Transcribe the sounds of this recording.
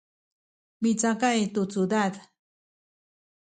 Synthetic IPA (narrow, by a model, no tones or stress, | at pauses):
mit͡sakaet̪ut͡sud̪ad̪